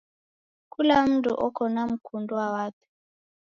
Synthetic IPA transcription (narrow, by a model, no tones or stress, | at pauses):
kulam̩dṵʔɔkɔnam̩kʰunduwawat̪u̥